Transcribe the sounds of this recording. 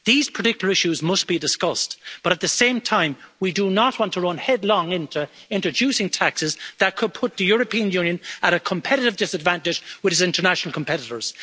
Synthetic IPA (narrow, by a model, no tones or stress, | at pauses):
ðiz̥pʰə˞tɪkjəl̩ˠə˞ɪʃʉzmʌsb̥idɪskʌstb̥ʌɾət̪̚ðəsẽɪ̃mtʰãɪ̃mwidənəʔ̚wɑ̃ntʰəɹʌ̃nhɛdˡlɔ̃ŋɪ̃ntʰuɪ̃ntɹ̥əd͡ʒʉsɪ̃ŋtʰaksɪzðət̚kʰʊd̚pʰʊt̪̚ðəjʊɹəpʰĩə̃njʉ̃ːnjə̃nəɾəkʰə̃mpʰɛɾɨɾɨvdɪsədvæ̃ntɪd͡ʒwɪðɨsɪ̃ntə˞næʃnəl̩ˠkʰə̃mpʰɛɾɪɾə˞z̥